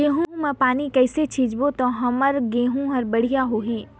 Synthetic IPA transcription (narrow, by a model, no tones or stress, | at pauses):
ɡeːɦũmẽpaːnikɛːset͡ʃʰiːd͡ʒbot̪ɔ̃ɦɐməɾɡeːɦũɦɐɾbɐɽ̤ijaɦoːɦiː